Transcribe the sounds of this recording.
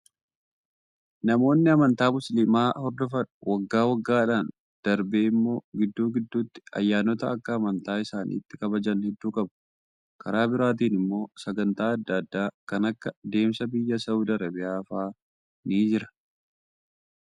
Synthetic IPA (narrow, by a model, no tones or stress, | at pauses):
nɐmo̞ːnːɪɐmɐnt̪aːmʊsliːmaːhɔɾd̪ɔfɐᶑʊwɐɡːaːwɐɡːaːᶑaːn | d̪̥ɐɾbeːɪmːo̞ːɡɪd̪ːuːɡɪd̪ːuːt̪ːɪ̥ɐ̰jːaːnɔt̪ɐɐkːɐːmɐnt̪aːɪsaːnʔḭːt̪ːɪkɐbɐd͡ʒɐnhɛd̪ːuːkʼɐbɐ̥ | kʰɐɾaːbɪɾaːt̪̬iːnɪmːo̞ːsɐɡɐnt̪aːɐd̪ːɐd̪ːaːkɐnɐkːɐd̪e̞ːmsɐbɪjːɐsɐʊd̪ɐɾɐbɪaːfaː | niːd͡ʒɪɾɐ̥